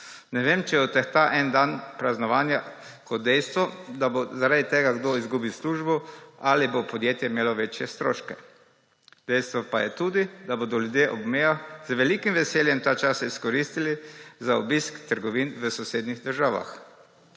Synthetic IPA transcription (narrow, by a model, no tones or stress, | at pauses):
nɛʋeːmt͡ʃɛɔt̪ɛxt̪aʔɛnd̪anpɾaznɔʋaːnja | kɔt̪̚d̪ɛjst̪ʋɔd̪abozaɾad̪it̪eːɡaɡd̪oizɡuːbisluːʒbɔʔalibopɔd̪jeːt̪jɛimeːlɔʋet͡ʃjɛst̪ɾo̰ːʃkɛ | d̪̥ɛjst̪ʋɔpajɛt̪uːd̪id̪abod̪ɔljud̪jeʔɔbmeːjaxzʋɛliːkimʋɛseːljɛmt̪aːt͡ʃasaiskɔɾist̪ilizaɔbiskt̪əɾɡɔʋinʋəsɔseːd̪niɣd̪əɾʒaːʋa̰x